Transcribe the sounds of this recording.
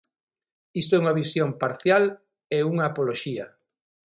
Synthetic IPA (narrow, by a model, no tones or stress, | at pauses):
ist̪oɛuŋɐβisjoŋpaɾθjal | euŋaːpoloʃiɐ